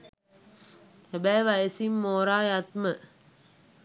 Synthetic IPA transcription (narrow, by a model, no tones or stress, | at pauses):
hæbæjʋaesimːoːɾaːjat̪mə